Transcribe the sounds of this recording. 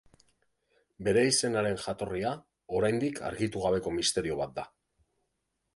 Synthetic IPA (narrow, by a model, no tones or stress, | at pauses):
be̞ɾe̞ise̞naɾe̞nʝat̪o̞ria | o̞ɾajnd̪ikʰa̰ɾɣit̪uɣaβe̞ko̞mist̪e̞ɾio̞β̞at̪̚d̪a